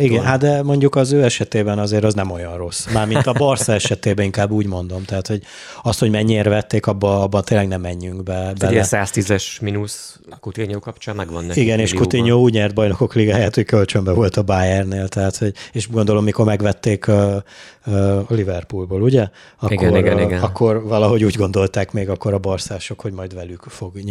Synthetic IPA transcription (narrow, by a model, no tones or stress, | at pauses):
iɡɛnɦat̪d̪ɛmo̞ɲɟukɒzøːɛʃɛt̪eːbɛnɒzeːɾɒznɛmo̞jɒnro̞sːmaːrmint̪ɒbɒrsɛɛʃɛt̪eːbɛiŋkaːbːuːɟmo̞n̪d̪o̞mt̪ɛɦaːt̪ho̞ɟ | ɒst̪ho̞ɟmɛɲːeːrvɛt̪ːeːkɒbːɒɒbːɒnt̪eːlɛɡnɛmːɛɲːyŋɡbɛbɛlɛɛsaːst̪izɛʃminus | kut̪iɲoːkɒpt͡ʃaːmmɛɡʋɒnːɛiɡɛneːʃkut̪iɲoːuːɟɲɛrt̪̚bɒjno̞ko̞kliɡaːjaːt̪hockølt͡ʃømbɛvo̞lt̪ɒbaːjɛrneːlt̪ɛɦaːt̪ho̞ɟeːʃɡond̪o̞lo̞mːikormɛɡʋɛt̪ːeːkː | livɛrpulboːluɟɛ | ɒikːorɛɡɒkːo̞rvɒlɒɦo̞ɟuːɟɡo̞nd̪o̞lt̪aːkmeːɡɒkːo̞ɾɒborsaːʃo̞kho̞ɟmɒjd̪vɛlykfo̞ɡ